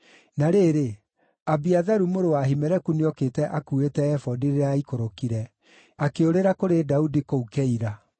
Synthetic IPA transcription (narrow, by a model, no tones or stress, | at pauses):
naɾeːɾe | abiaðaɾumoɾowaɦimɛɾɛkuniɔketɛʔakuetɛɛfɔdiɾeeaikoɾokiɾɛ | akeoɾeɾakoɾedaudikoukɛiɾa